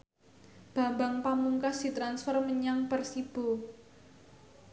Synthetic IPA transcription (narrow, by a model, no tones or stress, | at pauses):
b̥a̤baŋpamuŋkasd̥it̪ɾansfɔrməɲaŋpərsib̥o̤